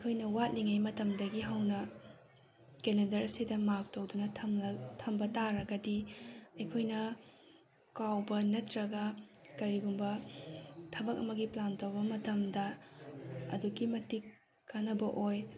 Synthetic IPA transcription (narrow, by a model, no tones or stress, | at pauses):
ɐjkʰojnɐwat̚liŋajmɐtɐmdɐɡiɦɐwnɐ | keledɐɾɐsidɐmak̚towdunɐmtʰɐmbɐtaɾɐɡɐdiɐjkʰojnɐ | kawbɐnɐtɾɐɡɐkɐɾiɡumbɐ | tʰɐbɐk̚ɐ̰mɐɡiplantowbɐmɐtɐmdɐ | ɐ̰dukimɐtik | kːanɐbɐʔoj